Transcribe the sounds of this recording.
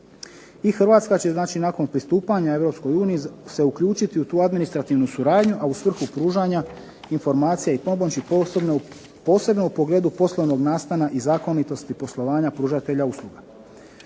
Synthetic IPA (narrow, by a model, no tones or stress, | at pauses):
ixr̩ʋaːt̪skat͡ɕe̞znaːt͡ʃinako̞npɾist̪uːpaɲae̞ʋɾo̞psko̞juːnijise̞ukʎuːt͡ʃit̪iut̪uːad̪minist̪ɾat̪iʋnusuɾaːd̪ɲuʔausʋr̩xupɾuːʒaɲa | info̞ɾmaːt̪sijaipobomt͡ɕi | po̞ːse̞bno̞upo̞ɡle̞ːd̪upo̞slˠo̞ʋno̞ɡnaːst̪anaʔizaːko̞nit̪o̞st̪ipo̞slˠo̞ʋaːɲapɾuːʒat̪e̞ʎauslˠuɡa